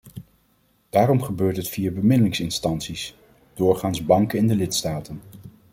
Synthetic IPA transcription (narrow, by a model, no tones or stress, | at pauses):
d̥aːɾɔmχəbøːɹtɦətfiːaːbəmɪdəlɪŋsɪnstɑnsis | d̥ʊːɹχaːnzbɑŋkəɪndəlɪtstaːtən